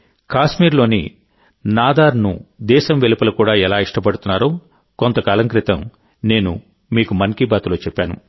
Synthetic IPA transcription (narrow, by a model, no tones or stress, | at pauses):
kaːʃmiːɾlo̞ːnḭ | naːd̪aːɾnṵd̪ɛːʃɐmʋelipɐlɐkuːɽaːɛlaːiʂʈɐpɐɽut̪unːaːɾoː | ko̞nt̪ɐkaːlɐŋkɾit̪ɐm | ne̞ːnṵ | miːkumɐŋkibaːt̪ulo̞ːt͡ʃɛpːaːnṵ